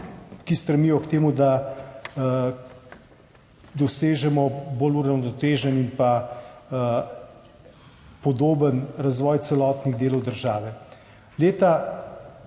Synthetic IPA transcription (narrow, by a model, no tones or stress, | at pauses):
kist̪ɾɛmiːjɔkt̪eːmud̪a | d̪ɔseːʒɛmɔboːluɾawnɔt̪eːʒɛninpa | pɔd̪oːbənɾazʋɔːjt̪sɛlɔːt̪niɣd̪eːlɔwd̪əɾʒaːʋɛ | leːt̪a